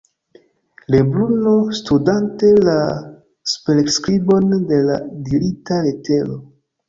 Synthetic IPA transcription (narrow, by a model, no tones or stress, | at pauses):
le̞bluno̞studante̞la | spelekskɾibo̞nde̞la̰dilitalete̞lo